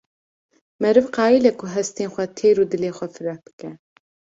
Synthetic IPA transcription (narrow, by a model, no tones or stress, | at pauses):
mɛɾɨvqɑːilɛkʰʊɦɛst̪eːnxʷɛt̪ʰeːɾuːd̪ɨleːxʷɛfɨɾɛb̥ɨ̥kɛ